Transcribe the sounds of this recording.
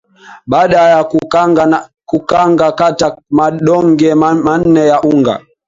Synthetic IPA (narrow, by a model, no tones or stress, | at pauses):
ɓaːɗajak | kukaŋɡakatamaɗɔŋɡɛmman̩nɛjaʔuŋɡa̰